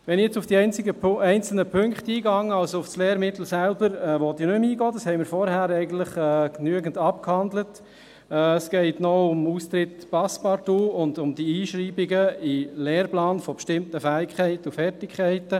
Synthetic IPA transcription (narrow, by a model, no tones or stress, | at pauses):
ʋɛnɪjɛt͡sʊfd̥iɛɪnt͡sɪɡəɛɪnt͡sl̩nəpʰøŋkχtiːɡɑŋːəɑlsoʊfsleːɾmɪt̪l̩sælbəɾɛːʋɔt̪inʏmiːɡɔːdɑshɛɪmɪːɾfɔɾhæːɾɛɪɡən̩tləχɛːknyəɡən̩dɑp̚khɑndlət | ɛːsɡ̥ɛɪtnɔʊmuːst̪ɾɪtpɑspɑɾtuːʊndʊmd̥iiːʃɾiːbɪɡəɪleːɾplaɑːnfɔbʃtɪmtəfæːɪkχɛɪtəufɛrtɪkχɛɪtə